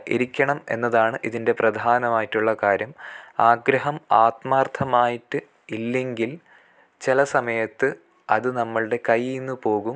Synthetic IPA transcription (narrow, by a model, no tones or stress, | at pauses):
ʔḛɾikʲːɐɳɐme̞̰nːɐðaːɳɨʔiðinde̞prɐd̪ʱaːnɐmaːjitːuɭːɐkaːɾjɐmaːɡɾɐɦɐmaːt̪maːrt̪ʰɐmaːjiʈːɨ | ilːe̞ŋɡil | t͡ɕelɐsɐmɐjɐt̪ːɨ | ɐðɨnɐmːɐɭɽe̞kɐjinːupo̞ːɣum